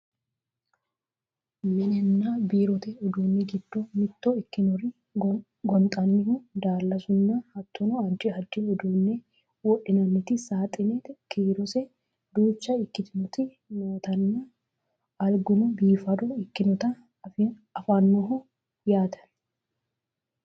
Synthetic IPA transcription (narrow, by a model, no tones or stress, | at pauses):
mɪnɛnːabiːɾɔt̪ɛɔd̪uːnːɪɡɪd̪̥ːomɪt̪ːoɪkːɪnɔɾɪ | ɡɔnt̪ʼɐnːɪhʊd̪aːlːɐsʊnːɐhɐt̪ːɔnɔɐnt͡ʃɪɐd͡ʒːɪɔd̪uːnːɛ | wɔʔɪnɐnːɪt̪ɪsaːt̪ʼɪnɛkʰiːɾɔsɛ | d̪uːt͡ʃːɐɪkːɪt̪ɪnɔt̪ɪ | noːt̪ɐnːɐ | ɐɾɡʊnʊbiːfɐd̪ɔɪkːɪnɔt̪ɐ | f | ɐfanːɔɦʊ | jaːt̪ʰɐ̥